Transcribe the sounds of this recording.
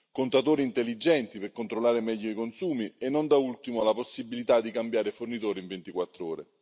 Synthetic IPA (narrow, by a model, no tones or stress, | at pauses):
kont̪at̪oːɾiːnt̪elːid͡ʒɛnt̪iperkont̪ɾolːaːɾemɛʎːoikonsuːmienːond̪ault̪imolaposːibilit̪ad̪ːikambjaːɾefornit̪oːɾiɱvent̪ikwat̪ːɾoːɾḛ